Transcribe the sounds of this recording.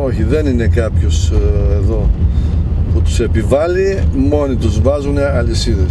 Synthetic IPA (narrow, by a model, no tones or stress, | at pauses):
o̞çiðe̞nine̞kɐpço̞seðo̞ | put̪u̥se̞pivɐlimo̞nit̪uzvɐzune̞ɐlisiðes